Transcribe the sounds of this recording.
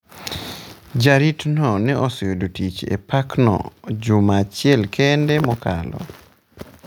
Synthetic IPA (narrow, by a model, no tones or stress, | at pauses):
d͡ʒaɾitnɔnɛʔɔsɔjodotit͡ʃḛpaknɔ̰d͡ʒʊmat͡ʃɪɛlkʰɛndɛmɔka̰lɔ̰